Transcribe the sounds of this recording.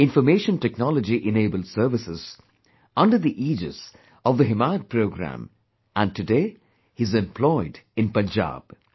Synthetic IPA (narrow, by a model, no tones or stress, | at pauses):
ɪ̃nfəmeːʃə̃ntɛknɔləd͡ʒiʔɪneːbəldsəɾʋɪsɪz̥ | ʌ̃nɖəɾd̪iʔiːd͡ʒɪ̰z̥ | ɔʋd̪əɦɪmaɪəd̚pɾoʊɡɾæ̰̃m | æ̃n̚tɨdeː | izɛ̃mplɔɪdɪ̃npə̃nd͡ʒa̰ːb̥